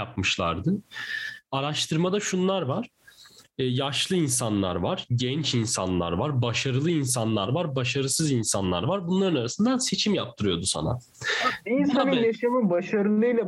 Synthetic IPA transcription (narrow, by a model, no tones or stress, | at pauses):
ap̚mɯʃlˠa̰ɾd̪ɯ | aɾaʃt̪ʰɯɾmad̪aʃunlˠaɾvaɾ̥ | jaʃlˠɯinsanlˠa̰ɾvaɾ̥ɟɛnt͡ʃinsa̰nlˠa̰ɾvaɾbaʃaɾɯlˠɯins̬anlˠaɾvaɾbaʃaɾɯsɯzinsanlˠa̰ɾvaɾbunlˠaɾɯnaɾasɯnd̪anse̞t͡ʃʰimjap̚t̪ʰɯɾɯjo̞d̪usa̰na̰ | insanelʲeʃemibaʃaɾɯlˠɯjlʲˠa